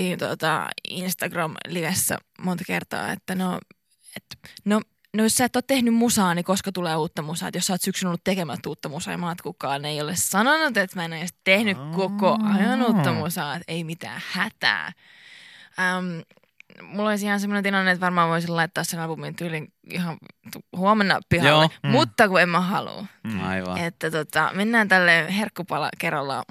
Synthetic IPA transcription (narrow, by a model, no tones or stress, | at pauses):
int̪o̰t̪ɑ̰ḭnst̪ɑɡrɑmliʋesːæ̰mont̪ɑ̥kert̪ɑ̰ːḛt̪ːæno | et̪no | nojossæet̪ːoːt̪t̪ehnymmusɑːnikoskɑt̪uleːuːt̪ːɑmusɑ̰ːt̪jossɑːt̪syksynolːut̪t̪ekemæt̪ːuːt̪ːɑmusɑ̰j̰mɑːt̪kukːɑːneiolessɑnonut̪et̪mæenoositt̪ehnykkokoʔɑjɑnuːt̪ːɑmusɑːt̪eimit̪æ̰ːhæt̪æ̰ː | əm | mulːolisihɑnsemːonent̪ilɑnːet̪ʋɑrmɑːʋʋoisillɑit̪ːɑːssenɑlpumint̪ylin | ḭhɑt̪uhuomenːɑpihɑlːemut̪ːɑkuemmæhɑlṵɑiʋ̰et̪ːæt̪ot̪ɑ̰menːæːnt̪ælːeːherkːupɑlɑ̰kerːɑlːɑ̰